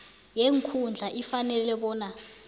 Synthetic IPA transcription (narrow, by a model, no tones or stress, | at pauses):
jeŋkʰund͡ɮʱaʔifanɛlɛɓɔːna